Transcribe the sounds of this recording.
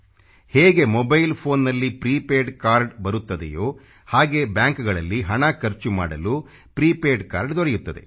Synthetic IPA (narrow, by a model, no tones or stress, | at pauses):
heːɡe̞mɔbɐjlpʰo̞ːnːɐlːipɾiːpeːɖkaːɾɖbɐɾut̪ːɐd̪ḛjoː | haːɡe̞ːbjaːŋkɡɐɭɐlːiɦɐɳɐkɐɾt͡ʃuma̰ːɽɐlu | pɾiːpeːɖkaːɾɖd̪ɔɾɛjut̪ːɐd̪e̞̰